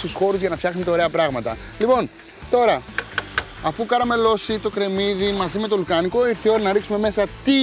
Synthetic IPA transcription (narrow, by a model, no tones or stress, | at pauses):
t̪usxo̞ɾuzʝɐnɐfçɐxnumet̪ɐo̞ɾe̞ɐpɾɐɣmɐt̪ɐ | lipo̞n | t̪o̞ɾɐ | ɐfukɐɾɐme̞lo̞sit̪o̞kɾe̞miðimɐzime̞t̪o̞lukɐniko̞iɾθio̞ɾinɐɾiksume̞me̞sɐt̪i